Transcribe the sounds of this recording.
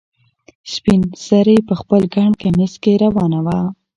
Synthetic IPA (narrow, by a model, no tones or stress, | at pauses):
spinsaɾepəxpəlɡaɳkaniskeɾawɑnawa